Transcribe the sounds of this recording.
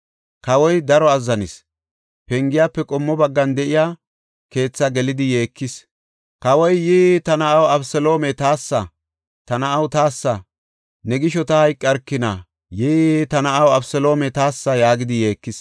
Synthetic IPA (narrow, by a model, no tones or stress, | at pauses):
kɐwɔjd̪ɐɾɔɐzːɐnɪs | pɛŋɡɪjaːpːɛkʼɔmːɔbɐɡːɐnd̪ɛʔɪjaː | ke̞ːt͡sːɐɡɛlɪd̪ɪjeːkːɪs | kɐwɔjːit̪ɐnɐɐwɐbsɛlo̞ːmɛt̪aːsːɐ | t̪ɐnɐʔɐwt̪aːsːɐ | nɛɡɪʃɔt̪ɐhɐjkʼːɐɾkːɪnɐ | jit̪ɐnɐʔɐwɐbsɛlo̞ːmɛt̪aːsːɐjaːɡɪd̪ɪje̞ːkːɪs